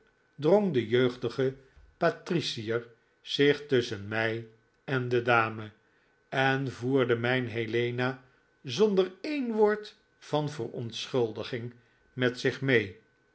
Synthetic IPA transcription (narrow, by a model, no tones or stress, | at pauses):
droŋdəjøɥχdəχə | patrisiəɹ | z̥ɪχtʏsənmɛj | ɛndədaːmə | ɛnvuːɹdəmɛjnɦelejna | zɔndəɹejnʋʊːɹt | fɑnvərɔntsχɵlˠdəχɪŋ | mɛtsɪχmej